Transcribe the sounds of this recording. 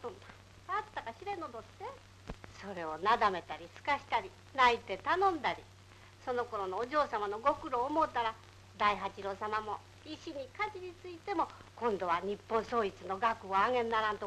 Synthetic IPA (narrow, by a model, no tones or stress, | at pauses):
sona | aːt̪ːakaɕiɾẽ̞nod̪ose | so̞ɾe̞o̞nad̪ame̞t̪aɾʲisɨ̥kaɕi̥t̪aɾʲi | nait̪e̞t̪anõ̞nd̪aɾʲi | so̞no̞ko̞ɾo̞noːʑo̞ːsamano̞ɡo̞kɯ̟ɾo̞ːmo̞t̪ːaɾa | d̪aiɦat͡ɕiɾo̞ːsamamo̞ | iɕiɲ̟ikat͡ɕiɲ̟it͡sɨit̪e̞mo̞kõ̞nd̪o̞β̞aɲ̟ipːõ̞ɰ̃so̞ːit͡sɨno̞ɡakɯ̟oaŋẽ̞nːaɾãnt̪o